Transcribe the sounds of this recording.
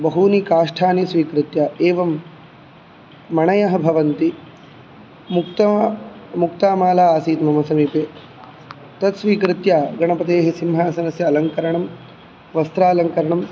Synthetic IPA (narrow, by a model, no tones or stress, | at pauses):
bɐɦuːnikaːʂʈʰaːnesʋiːkɾɪt̪jaːʔeːʋɐm | ɐɳɐjɐɦɐ̆bʱɐʋɐnt̪i | mkt̪ɐmukt̪aːmaːlaːaːsiːt̪mɐmɐsɐmiːpeː | t̪ɐt̪sʋiːkɾɪt̪jaːɡɐɳɐpɐt̪eːɦɐsimɦaːsɐnɐsjɐːlɐŋkɐɾɐɳɐm | ʋɐst̪ɾaːlɐŋkɐɾɐɳɐm